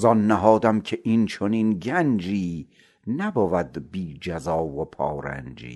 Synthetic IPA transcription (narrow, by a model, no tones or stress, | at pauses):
zɒnːæɦɒːd̪æmcʲʰeʔint͡ʃʰoniːnɡænd͡ʒiː | næbɒːvæd̪biːd͡ʒæzɒːvopʰɒ̰ːɾæ̰nd͡ʒḭː